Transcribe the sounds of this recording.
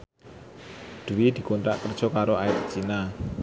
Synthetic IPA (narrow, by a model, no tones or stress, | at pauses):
d̪̥uwid̪̥i̤kont̪ɾa̰ʔkərd̥ʒ̥ɔ̤kaɾoaɪt̪̚t͡ʃina